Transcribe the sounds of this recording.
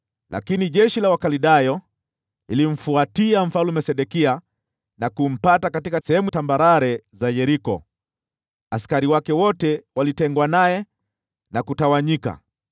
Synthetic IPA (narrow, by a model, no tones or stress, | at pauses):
lʔa̰kiniʄɛʃilawakaliɗajɔ | ilim̩fuatiam̩falumɛsɛɗɛkia | nakum̩patakatikasɛhɛmutambaɾaɾɛzajɛɾikɔ̰ | askaɾiwakɛwɔtɛwalitɛŋɡwanajɛ | nakutawaɲika̰